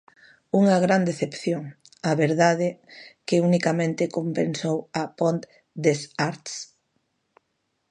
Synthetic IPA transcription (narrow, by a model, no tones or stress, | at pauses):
uŋɐɣɾand̪eθepθjoŋ | aβeɾðaðɪkɪunikamẽnt̪ɪkompensowapont̪ | d̪esaɾt̪s